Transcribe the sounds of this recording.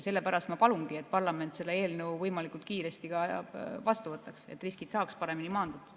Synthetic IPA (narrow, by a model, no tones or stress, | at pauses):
se̞lːe̞pæɾɑst̪mɑpɑlunɡie̞t̪̚ːˑpɑrlɑme̞nt̪se̞d̪ɑe̞ːlnuwvɤjmɑlikult̪̚kiːɾe̞st̪iɡ̥ɑjɑ̰bvɑst̪uvɤt̪ːˑɑkse̞̰t̪ːˑriskid̪sɑːkspɑɾe̞minimɑːnd̪ud̪̥